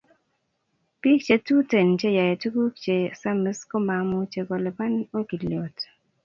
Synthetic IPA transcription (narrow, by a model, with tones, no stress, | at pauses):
pi˦k̚t͡ʃe˨tu˦te˨nt͡ʃe˦ja˨je˨tu˦ku˦kt͡ʃe˨sa˦mɪ˦sko˦ma˨mo˦t͡ʃe˨ko˨lɛ˨pa˦no˦ki˨ljɔ˨t